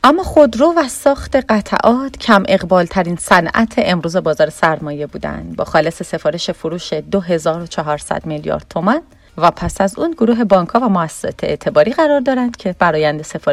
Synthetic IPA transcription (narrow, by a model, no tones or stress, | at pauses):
ʔæmːɒːχod̪ɾoːvæsɒːxt̪ʰe̞ɢæt̪ʰæ̰ʔɒːt̪ʰcʰæmʔe̞ɣbɒːlt̪ʰæɾinsænʔæ̰t̪ʰeʔemɾuːze̞bɒːzɒːɾe̞sæɾmɒːje̞buːd̪æ̰nd̪bɒ̰ːxɒːle̞se̞se̞fɒːɾe̞ʃe̞foɾuːʃe̞d̪oɦe̞zɒːɾot͡ʃʰɒɦɒːɾsæ̰d̪̥miljɒ̰ːɾd̪̚t̪ʰomæn | væpʰæsæzuːnɡoɾuːɦe̞bɒːŋkʰɒːvæmoæsːe̥sɒ̰ːt̪ʰeḛt̪ʰe̞bɒːɾiːɣæɾɒːɾd̪ɒːɾænd̪̥cʰe̞bæɾɒːjænd̪e̞se̞fɒːɾ